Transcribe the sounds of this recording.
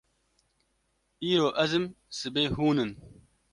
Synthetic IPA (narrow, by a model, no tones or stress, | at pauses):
iːɾoːʔɐzɨm | sɨbeːɦuːnɨn